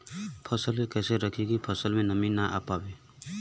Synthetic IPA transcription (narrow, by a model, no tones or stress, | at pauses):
pʰɔsəlkekeseɾəkʰiɡipʰɔsəlmenəminaʔa̰pabe